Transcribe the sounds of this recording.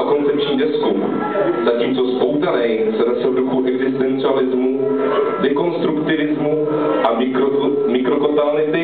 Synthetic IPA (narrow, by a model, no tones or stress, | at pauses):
ko̞nt͡sɛpt͡ʃɲiːdɛsku | zaciːmt͡so̞spowt̪anɛjsɛnɛsɛduxuʔɛɡzɪst̪ɛnt͡sɪalɪzmu | dɛko̞nst̪ɾukt̪ɪvɪzmu | ʔamɪkmɪkɾokot̪alɪt̪ɪ